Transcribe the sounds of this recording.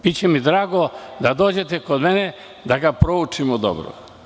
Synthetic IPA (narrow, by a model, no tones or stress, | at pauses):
bit͡ɕemid̪ɾaːɡod̪ad̪oːd͡ʑe̞t̪ekod̪mene | d̪aɡapɾout͡ʃimod̪o̰bɾo̰